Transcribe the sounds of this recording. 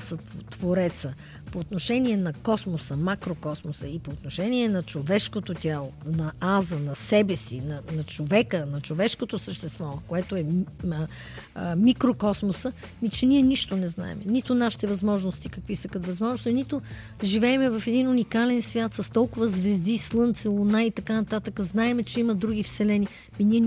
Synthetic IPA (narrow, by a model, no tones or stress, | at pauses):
sət̪t̪voɾɛt̪sə | poːt̪noʃɛniɛnɐkɔsmosəmakɾokɔsmosəipoːt̪noʃɛnʲiɛnɐt͡ʃovɛʃkot̪ot̪ʲalˠonɐazənɐsɛbɛsḭnɐnɐt͡ʃovɛkənɐt͡ʃovɛʃkot̪osəʃt̪ɛst̪vɔkoɛt̪oɛ | mikɾokɔsmosə | mit͡ʃɛniɛniʃt̪onɛzna̰ɛ̰mɛnit̪onaʃi̥t̪ɛvɐzmɔʒnost̪ikɐkvisəkət̪vɐzmɔʒnosinit̪o | ʒivɛɛmɛvɐfɛd̪inunikalɛnsvʲjat̪sɐst̪ɔlˠkʊvəzvɛzd̪islˠɤnt̪sɛlˠonait̪ɐkanɐt̪at̪əkəznaɛmɛt͡ʃɛimɐd̪ɾuɡ̟ifsɛlɛni | miniɛ